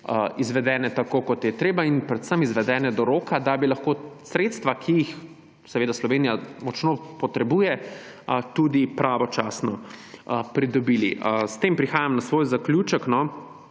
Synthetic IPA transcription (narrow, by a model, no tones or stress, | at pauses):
izʋɛd̪ɛːnɛt̪akoːkɔt̪jɛt̪ɾeːbainpɾɛt̪səmizʋɛd̪ɛːnɛd̪ɔɾoːkad̪abilɐxkoːsɾet̪st̪ʋakʰiix | sɛʋeːd̪aslɔʋeːnijamɔt͡ʃnoːpɔt̪ɾɛbuːjɛ | t̪ud̪ipɾaʋɔt͡ʃaːsnɔ | pɾid̪ɔbilist̪eːmpɾixaːjamnasʋoːjzaklʲjuːt͡ʃəknɔ